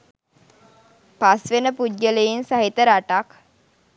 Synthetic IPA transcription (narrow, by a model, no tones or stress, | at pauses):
pasʋenəpudːələjinsaɦit̪əɾaʈak